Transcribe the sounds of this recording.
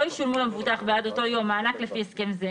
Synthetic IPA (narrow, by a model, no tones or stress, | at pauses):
ojiʃulmulamevutaχbead̪o̞t̪o̞jo̞maːnaklefieskemze